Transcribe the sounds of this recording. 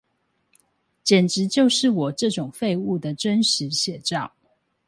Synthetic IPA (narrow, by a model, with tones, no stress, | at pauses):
t͡ɕjɛ˨˩nʈ͡ʂɻ̩˨˦t͡ɕjo˥˧ʊʂɻ̩˥˩wɔ˨˩ʈ͡ʂɤ˥˨ʈ͡ʂʊ˨˩ŋfe˥˧ɪu˥˩d̪ə˩ʈ͡ʂə˦nʂɻ̩˧˦ɕjɛ˨˩ʈ͡ʂɑ˥˨˩ʊ